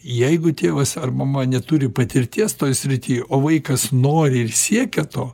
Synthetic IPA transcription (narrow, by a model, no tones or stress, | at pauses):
jɛɪɡʊt̪ʲeːʋɐsɐrmɐmɐnʲɛt̪uɾʲɪpɐt̪ʲɪɾʲt̪ʲiɛst̪oːjsʲɾʲɪt̪ʲiːjoːʋɐɪkɐsnoːɾʲɪɪrsʲiɛkʲɛt̪oː